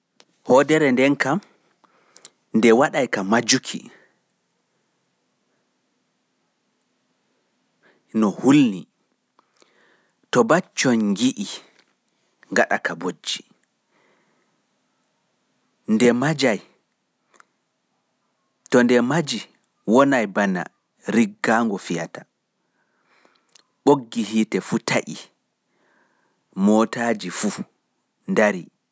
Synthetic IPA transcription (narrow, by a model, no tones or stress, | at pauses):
hɔdɛɾɛndɛnkam | ndɛwaɗajkamad͡ʒukʰḭ | nɔhulni | tɔbat͡ʃːɔnɡiʔi | ŋɡaɗa̰kabod͡ʒːi̥ | ndɛmad͡ʒaj | tɔndɛmad͡ʒi | wɔnajbana̰ | ɾiɡːaŋɡɔfija̰ta | ɓoɡːiɦiːtɛfutʰaʔi | mɔtaːd͡ʒifu | ndaɾi